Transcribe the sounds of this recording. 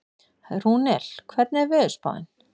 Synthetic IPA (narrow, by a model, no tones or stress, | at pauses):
runɛl̥kʰvɛɾt̪nɛɾvɪðʏspa̰ːwðɪ̰n